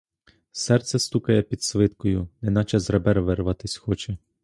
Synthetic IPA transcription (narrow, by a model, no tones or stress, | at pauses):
sɛrt̪sɛst̪ukɐjɛpʲid̪sʋɪt̪kɔjʊnɛnɑt͡ʃɛzrɐbɛɾʋɪrʋɑt̪ɪsʲxɔt͡ʃɛ